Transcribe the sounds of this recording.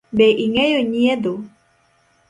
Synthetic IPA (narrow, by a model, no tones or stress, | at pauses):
beʔiŋejoɲied̪o